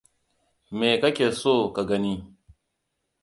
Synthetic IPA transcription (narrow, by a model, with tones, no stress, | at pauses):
meː˨kɐ˦kʲeː˨soː˦˨ka˨ɡɐ˦ni˦